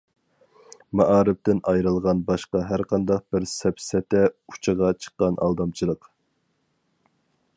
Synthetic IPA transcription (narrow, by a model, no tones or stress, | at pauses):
mɑʔɑːɾɪp̚t̪ɪnɑjɾɨlˠʁɑnbɑʃqɑɦæɾqʰɑnd̪ɑq̚b̥ɪɾsɛpsɛt̪ɛu̥t͡ʃʰɨʁɑt͡ʃʰə̥qːɑnʔɑ̰lˠd̪ɑmt͡ʃʰilˠəq